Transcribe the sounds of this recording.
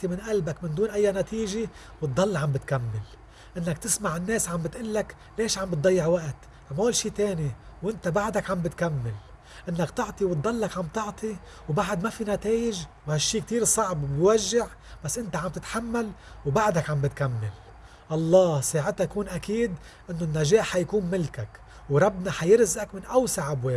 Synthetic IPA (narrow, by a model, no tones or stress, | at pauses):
t̪ˤimɪnʔalbakmɪnd̪uːnʔajːanat̪iːʒe | wɨt̪ˤːɑlːʕambɪt̪kamːɪl | ʔɪnːak̚t̪ɪsmaʕɪnːeːsʕambɪt̪ʔalːak | leːʃʕambɨt̪̚d̪ˤɑjːɪʕwaʔt̪ | mawalʃiːt̪eːni | wʔɪnt̪abaʕd̪akʕambɪt̪kamːal | ʔɪnːakt̪ɑʕt̪ˤiwɨt̪̚ˤːɑlːakʕambt̪ɨʕt̪ˤi | wbaʕd̪mafinat̪eːjɪʒwhaʃːiːk̚t̪iːɾsˤɑʕbbjwaʒːɪʕ | b̥asːʔɪnt̪aʕambt̪ɪt̪ħamːalwbaʕd̪akʕambɪt̪kamːal | ʔɑlˤːɑːhsaːʕɪt̪ajkuːnʔakiːd̪ | ʔɪnːʊnːaʒeːħħajkuːnmɪlkak | wɾˤɑbːnɑħajɪɾzʔakmɪnʔawsaʕʔabweː